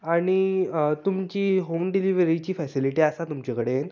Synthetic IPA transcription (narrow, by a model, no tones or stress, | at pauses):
aɽ̃it̪umt͡ɕiːɦomɖiliʋɾit͡ɕiːfɛsiliʈiasat̪umt͡ɕakəɽen